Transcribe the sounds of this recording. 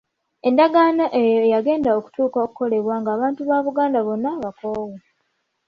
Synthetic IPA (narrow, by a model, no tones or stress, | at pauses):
e̞ndaɡaːnaʔejojaɡe̞ːndaoku̥tuːkaokuko̞le̞βwaŋɡaːβaːntuβaβuɡaːndaβo̞nːaβakowu